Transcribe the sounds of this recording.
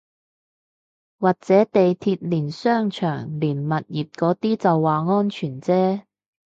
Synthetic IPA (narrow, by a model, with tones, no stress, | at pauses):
waː˨k̚t͡sɛː˨˥t̪e˨jt̪ʰiː˧t̚liː˨˩nsœː˥˩ŋt͡ʃʰœː˨˩ŋliː˨˩nmɐ˨t̚jiː˨˩t̚kɔː˨˥t̪iː˥t͡sɐ˨wːaː˨˩ŋɔː˥nt͡ʃʰyː˨˩nt͡sɛː˥